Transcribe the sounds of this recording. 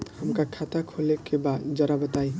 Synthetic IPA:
həmkakʰat̪akʰolekebad̪d͡ʒəɾabət̪aj

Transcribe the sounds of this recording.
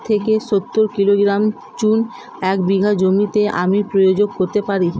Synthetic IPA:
t̪ʰekeʃot̪ːoɾkiloɡɾam | t͡ɕun | ɛkbiɡʱad͡ʑomit̪eʔamipɾojod͡ʑoɡ̚koɾt̪epaɾi

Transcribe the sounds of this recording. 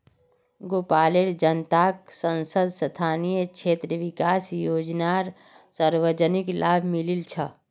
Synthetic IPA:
ɡoːpaːleɾd͡ʒənt̪aksə̃nsəd̪st̪ʰaːnijət͡ʃʰeːt̪ɾəʋikaːsjoːd͡ʒnaɾ | səɾʋəd͡ʒəniklʔaːbʱmililt͡ʃʰə

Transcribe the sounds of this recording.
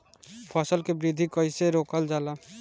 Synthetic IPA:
pʰaːsəlkebɾɪd̪ʱikɔiseɾoːkəld͡ʒaːlaː

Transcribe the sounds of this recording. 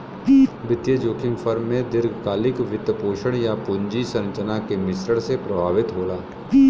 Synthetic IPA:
bɪt̪jəd͡ʒoːkɪ̃ŋɡfʰəɾmːẽd̪ɪɾɡʱkaːlɪkʋɪt̪ːpoːʃəɽ̃japʊɲd͡ʒisɐ̃nt͡ʃənakemɪsɾəɽsepɾɐbʱaːʋɪt̪ɦoːlaː

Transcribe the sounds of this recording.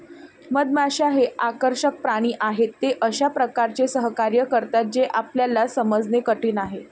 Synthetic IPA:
məd̪̚maɕaɦeʔakəɾɕək̚pɾaɽ̃iːʔaɦet̪ːeʔəɕapɾəkaɾt͡ɕesəɦəkaɾjəkəɾt̪at̪̚d͡ʑeʔapljalːasəməd͡znekəʈiːnaɦe

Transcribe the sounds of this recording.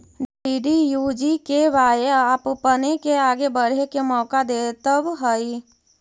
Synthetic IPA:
ɖiːɖijuːd͡ʒikeʋaːeaːppənekeaːɡebəɽ̤ekemɔːkad̪eːt̪əbɦəi

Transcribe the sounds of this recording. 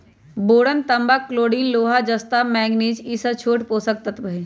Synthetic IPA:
boːɽənt̪ɐmbaːkloːɖiːnloːɦad͡ʒɐst̪aːmɛːɡneːd͡ʒiːsɐt͡ʃʰoːʈpoːsək̚t̪ət̪bəɦi

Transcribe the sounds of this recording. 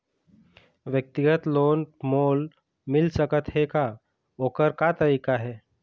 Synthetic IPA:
ʋjək̚t̪iɡət̪lonmol | milsəkət̪ɦeka | okəɾkat̪əɾikaɦe

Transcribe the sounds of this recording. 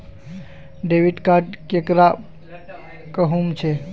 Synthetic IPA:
ɖeʋiʈkaɖkekɾa | kəɦumt͡ʃʰe

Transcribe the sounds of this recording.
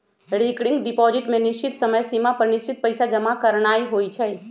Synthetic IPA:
ɽ̤ikɽiŋɡɖipɔd͡ʒɪʈmẽnɪst͡ʃit̪səməjsimapəɾnist͡ʃit̪̚pəjsad͡ʒəmakəɾɳ̃aiɦoit͡ʃʰɛ

